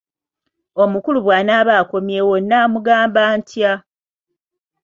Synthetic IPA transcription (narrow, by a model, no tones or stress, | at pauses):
o̞mukuluβwaːnaːβaːko̞mjewonːaːmuɡaːmbaːntja